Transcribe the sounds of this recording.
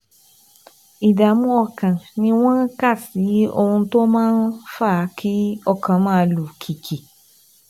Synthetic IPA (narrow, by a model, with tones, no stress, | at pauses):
i˨da˨mũ˦ɔ˧kã˨nĩ˧w̃ɔ̃˦n˦ka˦˨si˨˦o̰˧hũ˧˦to˦mãː˦nfa˦˨˦kʰi˦ɔ˧kʰã˨mãː˦lu˨kʰi˨kʰi˨